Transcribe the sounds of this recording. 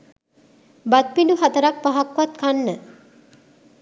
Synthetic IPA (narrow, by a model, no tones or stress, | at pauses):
bat̪̚pinduɦat̪əɾak̚paɦakʋat̪kanːə